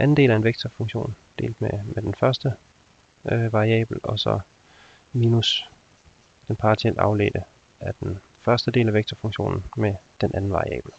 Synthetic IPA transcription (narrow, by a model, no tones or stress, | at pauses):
ʔæn̩de̝̰ːlæɐe̝nʋeɡ̥̚t͡sʰɐfɔ̽ŋɕo̝̰ːnd̥e̝̰ːld̥memed̥enfɶɐsd̥ə | ʋɑ̈ʁiɛ̰ːb̥l̩ɒ̽sɒ̽ | miːnus | d̥enpʰɑt͡sʰiel̰ɑ̈ʊlḛːd̥ə | æɐd̥en | fɶɐsd̥əde̝̰ːlæʋeɡ̥̚t͡sʰɐfɔ̽ŋɕo̝̰ːnn̩med̥enʔænn̩ʋɑ̈ʁiɛ̰ːb̥l̩